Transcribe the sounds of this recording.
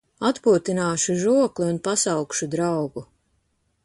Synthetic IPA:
at̪puɔt̪inaːʃuʒuɔkliunpasawkʃud̪ɾawɡu

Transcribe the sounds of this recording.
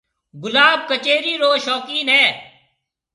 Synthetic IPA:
ɡʊlaːb̚kət͡ʃeːɾiːɾoːʃɔːkiːnɦɛː

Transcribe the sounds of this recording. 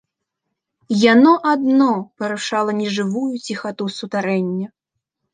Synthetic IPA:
janɔʔad̪nɔpɐɾuʂalˠɐnʲɛʐɨvujut͡sʲixat̪usut̪aɾɛnʲːɐ

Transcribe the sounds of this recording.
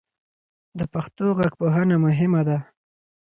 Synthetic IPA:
d̪əpaxt̪oɣaɡpoɦanamʊɦɪmad̪a

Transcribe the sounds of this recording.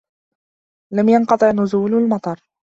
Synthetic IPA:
lamjɑnqɑt̪ˤɨʕnʊzuːlalmɑt̪ˤɑɾˤ

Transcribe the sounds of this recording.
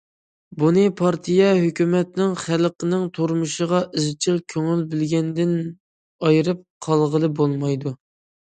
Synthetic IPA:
bunɨpʰɑɾt̪ʰijɛɦøkʲymɛt̪nɪŋχælqənɪŋt̪ʰoɾmuʃəʁɑʔizt͡ʃʰilkʲʰøŋylbɪlɡʲɛnd̪ɪn | ɑjɨɾɨp̚qʰɑlˠʁəlˠɨbolˠmɑjd̪u

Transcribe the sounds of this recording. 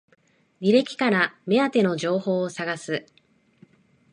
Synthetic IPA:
ɾʲiɾe̞kʲi̥kaɾame̞at̪e̞no̞ʑo̞ːho̞ːsaɡasɨ

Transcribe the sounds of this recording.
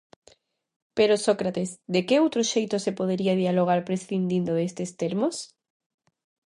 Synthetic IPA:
peɾosokɾat̪ezd̪ekeowt̪ɾoʃejt̪osepoðeɾiaðialoɣ̞aɾpɾesθind̪ind̪oðest̪est̪eɾmos

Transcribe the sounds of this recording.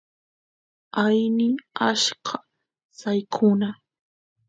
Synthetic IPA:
ajnɪaʃɢʰa | sajkʰʊna

